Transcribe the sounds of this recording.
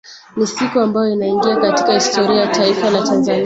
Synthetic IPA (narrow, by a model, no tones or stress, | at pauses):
nisikuambajɔinaiŋɡiakati̥kahistɔɾiajataifalatanzani